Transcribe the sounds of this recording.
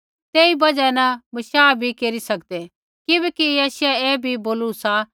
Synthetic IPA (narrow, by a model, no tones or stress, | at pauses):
t̪eːibɐd͡ʒɛnɐ̃mɐʃaːbʱikeːɾisɐkd̪ɛ | kɪbɛːkijaːʃɛeːbʱiboːlusa